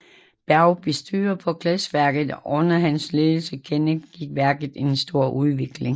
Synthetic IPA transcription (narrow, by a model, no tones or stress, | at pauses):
b̥æɐʊb̥e̝sd̥yːɐpʰɒ̽kʰlɛsʋæɐɡ̥ð̩ˠʔɔ̽nɐɦænsløːl̩səkʰenəɡ̥iɡ̥̚ʋæɐɡ̥ð̩ˠe̝nsd̥o̝ɐ̰ʔuðˠʋe̝ɡ̥le̝ŋ